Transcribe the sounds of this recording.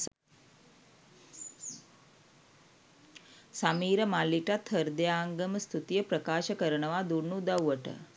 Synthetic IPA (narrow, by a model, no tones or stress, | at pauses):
sɐmiːɾɐmalːiʈat̪ʰːəɾd̪jaːŋɡɐmst̪ʰut̪ijɐpɾɐkaːʃɐkəɾɐɳɐʋaːd̪uɾnud̪ɐwʋɐʈə̰